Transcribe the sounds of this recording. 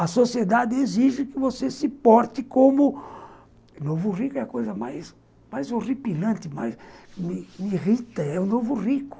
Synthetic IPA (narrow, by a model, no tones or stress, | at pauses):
ɐsosied̪ad̪ɪeziʒɪkɪvosesɪpɔɾt̪ɪkõmʊ | novʊrikʊɛɐkojzɐmajs | majzoripilɐ̃nt̪ɪmajsmɪmirit̪ɐɛʊnovʊrikʊ̥